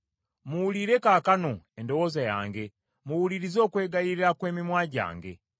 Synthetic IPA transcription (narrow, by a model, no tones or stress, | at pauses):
muwuliɾe̞kaːkanoendo̞wo̞ːzaja̰ːŋɡe̞ | muwuliɾizo̞ːkwe̞ːɡajiɾiɾakwe̞ːmimwaːɟa̰ːŋɡe̞̰